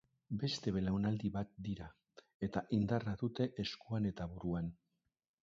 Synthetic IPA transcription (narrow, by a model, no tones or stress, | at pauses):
be̞st̪e̞βe̞lawnald̪iβat̪̚d̪iɾa | e̞t̪aʔind̪araðut̪e̞ʔeskuane̞t̪aβuɾuan